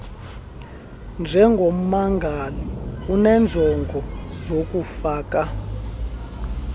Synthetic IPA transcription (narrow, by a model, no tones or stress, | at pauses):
nd͡ʒʱɛŋɡʱɔm̩maŋɡʱalɔunɛnd͡ɮʱɛŋɡʱɔzok̬ʼufaːka